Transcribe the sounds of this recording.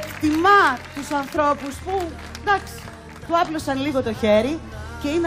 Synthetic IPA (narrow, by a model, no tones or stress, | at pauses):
t̪imɐt̪usɐnθɾo̞puspu | d̪ɐksi̥ | t̪uɐplo̞sɐnliɣo̞t̪o̞çe̞ɾice̞ine